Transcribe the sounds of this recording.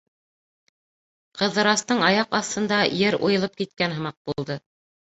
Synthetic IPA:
qɤ̆ðːɤ̆ɾɑst̪ɤɴɑjɑqɑθt̪ɤ̆nd̪ɑjɘɾṵjɤ̆lˠɤp̚kit̪̚kænɦɤ̆mɑq̚b̥ulˠd̪ɤ

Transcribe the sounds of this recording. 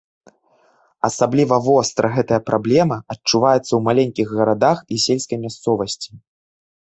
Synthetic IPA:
ɐsablʲivɐvɔst̪ɾʔɐɣɛt̪ɐjɐpɾʔablʲɛmɐɐt͡ʂːuvajɛt̪sːɐwmalʲenʲkʲiɣɣɐɾad̪axisʲelʲskɐjmʲast̪sɔvɐsʲt͡sʲi̥

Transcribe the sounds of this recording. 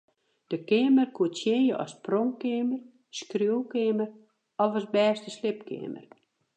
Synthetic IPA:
d̥əkɪəmərkʰuətsjejəʔɔ̰sproŋkɪmər | skrjowkɪmər | ɔvɔsbɛːsdəslɪp̚kɪ̰əmə̰r

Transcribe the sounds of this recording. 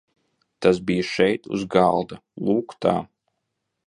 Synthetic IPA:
t̪asbijaʃɛjt̪ṵzɡa̰lˠd̪alˠuːkt̪a̰ː

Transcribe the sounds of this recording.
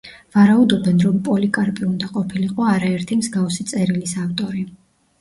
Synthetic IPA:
vaɾaud̪ɔbɛnɾɔmpʼɔlikʼaɾpʼiund̪aqʼɔpʰiliqʼɔaɾaɛɾt̪ʰimzɡafsit̪sʼɛɾilisaft̪ʼɔɾi

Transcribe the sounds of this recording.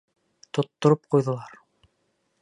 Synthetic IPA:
t̪ŏt̪ːŏɾop̚qujðŏlˠɑɾ

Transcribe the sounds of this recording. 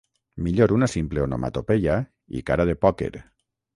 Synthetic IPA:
miʎoɾunasimpleono̰mʔa̰t̪opeʎa | ḭkaɾaðepɔkḛɾ

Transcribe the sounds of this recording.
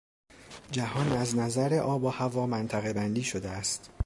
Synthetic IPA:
d͡ʒæhɒːnæznæzæɾeʔɒːbɒːhævɒːmænt̪ʰæɣe̞bænd̪iːʃod̪eæst̪

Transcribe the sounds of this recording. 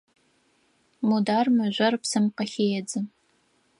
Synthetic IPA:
mudaːrmɐʒʷɐrpsɐmqɐxeːjɛd͡zɨ

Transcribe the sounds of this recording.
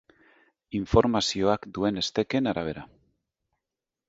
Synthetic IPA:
iɱfo̞ɾmasioakd̪ue̞ne̞st̪ekenaɾaβ̞eɾa

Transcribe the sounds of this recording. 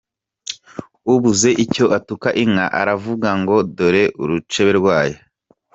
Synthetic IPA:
uβuze̞ʔico̞ʔatukaʔiŋaʔa̰ɾavuɡaŋɡo̞doɾe̞ʔuɾut͡ʃe̞βe̞ɾɡwaːjo

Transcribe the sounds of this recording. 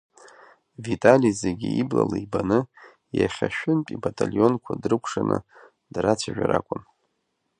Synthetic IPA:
vitʼalizeɡʲiiblalaibanɨ | jaχʲaʃᶣɪnpʼibatʼalʲjo̞nkʷʰadrɨkʷʰʂanʔɨ | d̥rat͡sʰaʒᶣaɾakʷʼʊn

